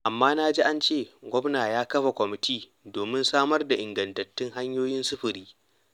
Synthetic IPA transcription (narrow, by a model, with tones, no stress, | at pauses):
ʔa˨mːaː˦naː˦d͡ʒi˦ʔa˦nt͡ʃeː˦˨ɡʷɔ˦bnaː˨jaː˦kɐ˦ɸa˨kʷɔ˨mɪ˨tiː˦ | doː˨mɪ˦nsaː˦mɐ˦rda˨ʔɪ˨ŋɡɐ˨ntɐ˨tːɪ˦ŋɦa˦ɲjoː˦jɪ˦nsʊ˦ɸɪ˨ɾiː˦